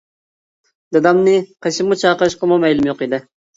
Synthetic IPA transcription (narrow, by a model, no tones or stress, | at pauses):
d̪ɨd̪ɑmnɪqʰeʃʰɪmut͡ʃʰɑːqəʃqɑmumɛjlˠumjoqid̪ɪ